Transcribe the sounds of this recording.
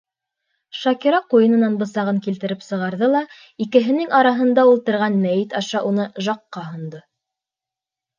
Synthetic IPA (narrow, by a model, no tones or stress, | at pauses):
ʃɑkiɾɑqujɤ̆nɤ̆nɑnbɤ̆sɑʁɤŋkilt̪ɘ̆ɾɘpsɤ̆ʁɑɾðɤlˠɑ | ikɘ̆ɦɘ̆nɘŋɑɾɑɦɤ̆nd̪ɑulˠt̪ɤ̆ɾʁɑnmæjɘt̪ɑʃɑʔunɤʒɑqːɑɦŏnd̪ɤ